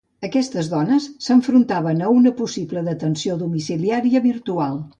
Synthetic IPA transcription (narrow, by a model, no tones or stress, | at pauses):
əkɛst̪əzðɔnəsːəɱfɾunt̪aβənəunəpusiβləðət̪ənsioðumisiliaɾiəβiɾt̪ualˠ